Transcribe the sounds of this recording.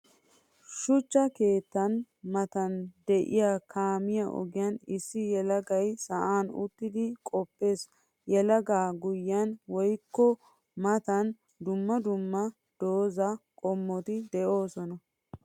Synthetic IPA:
ʃʊt͡ʃːɐke̞ːt̪ːɐn | mɐt̪ɐnd̪ɛʔɪ̰jaːkʰaːmɪjɐʔɔ̰ɡɪjɐnɪsːɪjɛlɐɡɐjsɐʔaːnʊ̰t̪ːɪd̪ɪkʼɔpːe̞ːs | jɛlɐɡaːɡʊjɐnwɔjkːɔ | mɐt̪ɐn | d̪ʊmːɐd̪ʊmːɐ | d̪̥o̞ːzɐkʼɔmːɔt̪ɪd̪ɛʔo̞ːsɔnɐ

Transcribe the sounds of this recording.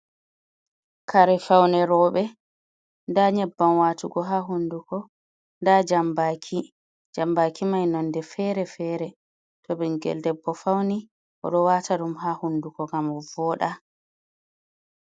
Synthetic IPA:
kʰaɾɛfawnɛɾɔːɓɛ | ndaɲɛbːamwaːtuɡɔɦaɦundukɔ | ndad͡ʒambaːkʰi | d͡ʒambakʰimajnandɛfɛːɾɛfɛːɾɛ | tɔbɛnɡɛ̰ldɛbːɔfawni | ʔɔ̰ɗɔwaːtʰaɗumɦaːhundukɔɡamɔvɔɗa

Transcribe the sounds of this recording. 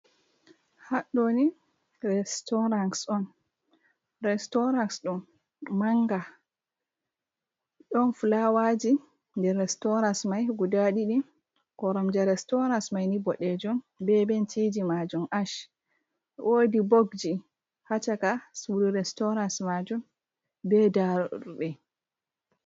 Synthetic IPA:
haɗoni | rɛstɔɾansɔn | ɾɛstɔɾansɗɔn | maŋɡa | ɗɔnfulawad͡ʒi | ndɛrːɛstɔɾansmajɡudaɗiɗi | kɔɾɔmd͡ʒaɾɛstɔɾansmajnibɔɗɛd͡ʒum | bɛbɛntʰid͡ʒimad͡ʒumaʃ | ʔodiboɡd͡ʒi | hat͡ʃakasuɾiɾɛstɔɾansmad͡ʒum | bɛdaɗɛ

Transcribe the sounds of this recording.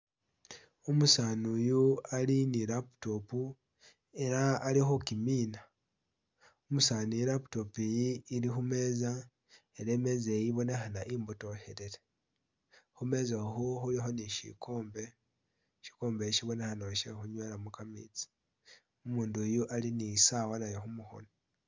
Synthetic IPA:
umusaːnujualinilapu̥to̞pu | e̞ɾaːlixukimiːna | umusaːniiɾapu̥to̞pijiːlixume̞ːza | eɾe̞me̞zejiβo̞nexanaʔiːmbuto̞heɾele | xume̞ːzaxuxulixo̞niʃḭko̞ːmbe̞ | ʃi̥ko̞ːmbeʃiβo̞nexanoʃexuɲwelamukamḭt͡si̥ | umuːndujuʔalinisawanajoxumuxo̰no

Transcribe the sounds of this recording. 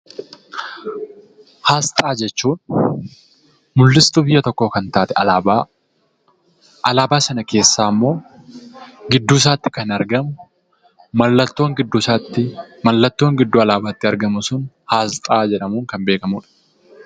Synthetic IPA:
haːst̪ʼaːd͡ʒɛt͡ʃːuːn | mʊlːɪst̪ʊbɪjːɐt̪ɔkːo̞ːkɐnt̪aːt̪ɛɐaa | ʔɐlaːbaːsɐnɐkʰe̞ːsːaːmːo̞ː | ɡɪd̪ːuːs̬aːt̪ːɪkɐnɐɾɡɐmʊ | mɐlːɐt̪ːoːŋɡɪd̪ːʊsaːt̪ːɪmɐlːɐt̪ːo̞ːŋɡɪd̪ːuɐlaːbaːt̪ːɪɐɾɡɐmʊsʊn | haːst̪ʼaːd͡ʒɛᶑɐmuːŋkɐmbe̞ːkɐmuːᶑɐ̥

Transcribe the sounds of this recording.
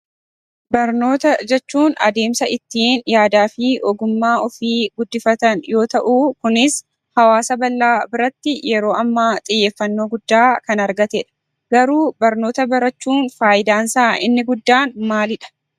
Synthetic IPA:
bɐɾno̞ːt̪ɐd͡ʒɛt͡ʃːuːnɐ̰d̪e̞ːmsɐʔɪt̪ːɪːnjaːd̪aːfɪʔɔɡʊmːaːɔfiːɡʊd̪ːɪfɐt̪ɐnjo̞ːt̪ɐʔuːkʊnɪs | hɐwaːsɐbɐlːaːbɪɾɐt̪ːɪjɛɾo̞ːʔɐmːaːt̪ʼɪjːeːfːɐnːo̞ːɡʊd̪ːaːkɐnɐɾɡɐt̪eːᶑɐ̥ | ɡɐɾuːbɐɾno̞ːt̪ɐbɐɾɐt͡ʃːuːnfaːjɪd̪aːnsaːʔɪnːɪɡʊd̪ːaːnmaːlɪᶑɐ̥

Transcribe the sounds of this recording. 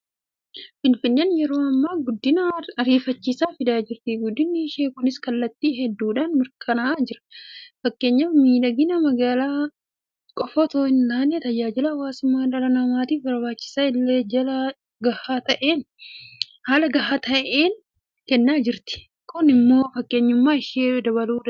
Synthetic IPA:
fɪnfɪnːɛnjɛɾo̞ːɐmːaːɡʊd̪ːɪnɐɐɾiːfɐt͡ʃːisaːfɪd̪aːd͡ʒɪɾt̪ɪɡʊd̪ːɪnːɪɪʃeːkʊnɪskɐlːɐt̪ːiːɦɛd̪ːuːᶑaːnmɪɾkʼɐnɐaːd͡ʒɪɾɐ̥fɐkːe̞ːɲːaːfmiːᶑɐɡɪnɐmɐɡaːlaː | kʼɔfɔt̪oːɪnt̪aːnːet̪ɐjaːd͡ʒɪlɐːwaːsʊmːaːᶑɐɾɐnɐmaːt̪iːfbɐɾbaːt͡ʃːɪ̥saːɪlːe̞ːd͡ʒɐlɐ | ɡɐhaːt̪ɐʔe̞ːn | haːlɐɡɐhaːt̪ɐʔeːn | kɛnːaːd͡ʒɪɾt̪ɪ̥ | kʰʊnɪmːo̞ːfɐkʼːe̞ːɲːʊmːaːɪʃeːd̪ɐβɐluːᶑɐ

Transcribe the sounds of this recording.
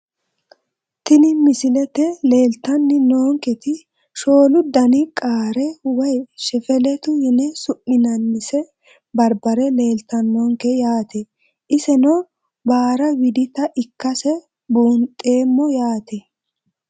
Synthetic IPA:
t̪ɪnɪmɪsɪlɛt̪ɛle̞ːlt̪ːɐnːɪnoːŋkɛt̪ɪ | ʃo̞ːlʊd̪ɐnɪkʼaːɾɛwɐjʃɛfɛlɛt̪ʊhɪnɛsʊʔːɪnɐnːɪsɛ | bɐɾbɐɾɛle̞ːlt̪ːɐnːoːŋkɛjaːt̪ɛ | ʔɪsɛnɔ | baːɾɐwɪd̪ɪt̪ɐʔɪkːɐsɛ | buːnt̪ʼe̞ːmːɔjaːt̪ɛ

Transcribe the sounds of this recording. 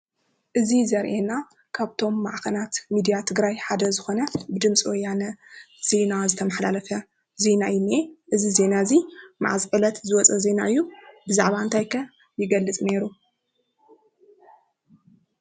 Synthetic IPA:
ʔɨzizɐɾʔena | kʰaβt̪ʰo̞mːaʕkɐnat̪mid̪ijat̪ʰɨɡɾajħad̪ɐzɨxo̞nɐbɨd̪ɨmt͡sʼiwɔjːanɐ | z̥e̞nazɨt̪ʰɐmɐħlalɐfɐ | ze̞naɨjuneʔɨzize̞nazima̰ʕazʼʔʼɨlɐt̪zɨwɔt͡sʼɐze̞naʔɨjːubɨzaʕβaɨnt̪ʰajkʰɐ | jɪɡɐlːɨt͡sʼneɾu

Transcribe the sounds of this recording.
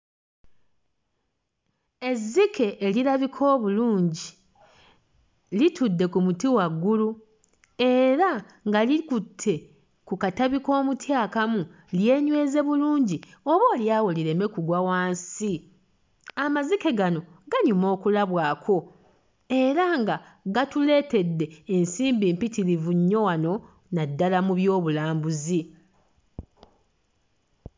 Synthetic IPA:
e̞zːike̞ʔːliɾaβikʰo̞ːβuluːɲɟi | litudːe̞kumutiwaɡːulu | e̞ɾa | ŋɡalikutʰːe̞ | kukataβiko̞ːmutjaːkamu | lje̞ːɲwe̞ːze̞βuluːɲɟio̞βo̞ːljaːwoliɾe̞me̞kuɡwawaːnsi | amazike̞ɡano̞ɡaɲumo̞ːkulaβwaːkʰo̞ | e̞ɾaŋɡa | ɡatule̞ːte̞dːe̞ːnsiːmbiːmpitiɾivuɲːo̞wano̞ | nadːalamuβjo̞ːβulaːmbuzi

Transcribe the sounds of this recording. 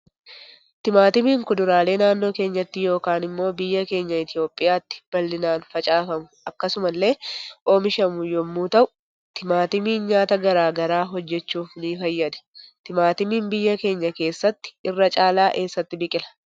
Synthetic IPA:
t̪ɪmaːt̪ɪmiːŋkʊd̪ʊɾaːle̞ːnaːnːo̞ːke̞ːɲːɐt̪ːɪjo̞ːkaːnɪmːo̞ːbɪjːɐke̞ːɲːɐɪt̪ɪjo̞ːpʼːɪjaːt̪ːɪ̥b̥ɐlːɪnaːnfɐt͡ʃʼaːfɐmʊɐkːɐsʊmɐlːe̞ːʔo̞ːmɪʃɐmʊjɔmːuːt̪ɐʔʊ | t̪ɪmaːt̪ɪmiːnɲaːt̪ɐɡɐɾaːɡɐɾaːɦɔd͡ʒːɛt͡ʃːuːfniːfɐjːɐd̪ɛ̥t̪ɪmaːt̪ɪmiːmbɪjːɐke̞ːɲːɐke̞ːsːɐt̪ːɪ̥ɪrːɐt͡ʃʼaːlaːʔe̞ːsːɐt̪ːɪbɪkʼɪlɐ̥

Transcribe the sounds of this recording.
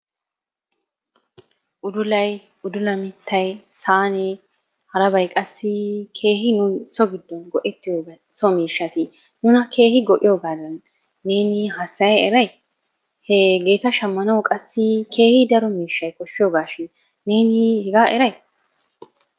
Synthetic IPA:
ʔʊd̪ʊlɐj | ʊd̪ʊlɐmɪt̪ʰːɐjsaːnɛ | hɐɾɐbɐjkʼɐsːɪkʰe̞ːɦɪnʊnsɔɡɪd̪ːɔnɡɔʔɛt̪ːɪjoːɡɐsɔmiːʃːɐt̪ɪ | nʊnɐkʰe̞ːhɪɡɔʔɪ̰joːɡaːd̪ɐnː | e̞ːnɪɦɐsːɐjɐɛɾɐj | hɛɡe̞ːt̪ɐʃɐmːɐnɐwkʼɐsːɪkʰe̞ːhɪd̪ɐɾɔmiːʃːɐjkɔʃːɪjoːɡaːʃɪn | ne̞ːnɪhɛɡaːʔɛɾɐj

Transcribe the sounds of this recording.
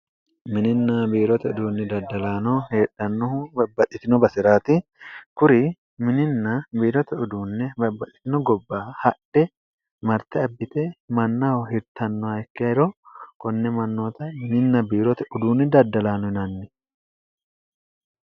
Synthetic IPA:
mɪnɪnːabiːɾɔt̪ɛʊd̪uːnːɪd̪ɐd̪ːɐlaːnɔheːᶑːɐnːɔhʊbɐbːɐt̪ʼːɪt̪ɪnɔbɐsɪɾaːt̪ɪkʊɾɪ | mɪnɪnːɐbiːɾɔt̪ɛʊd̪uːnːɛbɐbːɐt̪ʼːɪ̥t̪ɪnɔɡɔbːaːhɐᶑʔɛ | mɐɾt̪ɛɐbːɪt̪ɛmɐnːɐhɔhɪɾt̪ɐnːɔɐkːɪɐɪɾɔkɔnːɛmɐnːo̞ːt̪ɐmɪnɪnːɐbiːɾɔt̪ɛʔʊd̪uːnːɪd̪ɐd̪ːɐlaːnɔhɪnɐnːɛ

